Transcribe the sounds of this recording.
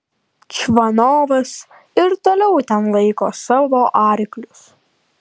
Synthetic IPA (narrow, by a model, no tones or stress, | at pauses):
t͡ʃʲʋɐnoːʋɐs | ɪɾt̪oːlʲɛʊt̪ʲɛnlˠɐɪkoːsɑːʋoːʔɑːɾʲɪklʲʊs